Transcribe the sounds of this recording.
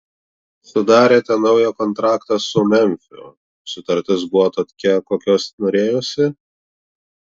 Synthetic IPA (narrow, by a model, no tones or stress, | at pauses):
sʊd̪ɑːɾʲeːt̪ʲɛnɒʊjɛkɔnt̪ɾɑːkt̪ɑsʊmʲɛmʲfʲʊ̰ | sʊt̪ɐɾʲt̪ʲɪs̬bʊʋɔt̪oːkʲɛkoːkʲoːsnoːɾʲeːjoːsʲɪ